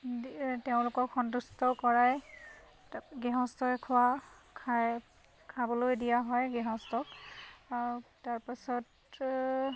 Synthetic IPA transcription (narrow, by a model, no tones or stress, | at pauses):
teʊ̃lʊkɔkʰxɔntustɔkɔɹaj | ɡɛɦɔ̃stɔɛkʰʊwakʰa | kʰabɔlojdijaɦɔjɡɛɦɔ̃stɔk | taɹpasɔt